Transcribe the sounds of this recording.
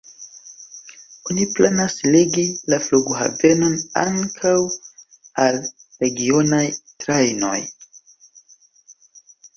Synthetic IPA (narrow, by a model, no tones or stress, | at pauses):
oniplanasleɡilafluɡuɦa̰ve̞no̞na̰ŋkʰaw | alɾe̞ɡio̞najtɾajno̞̰j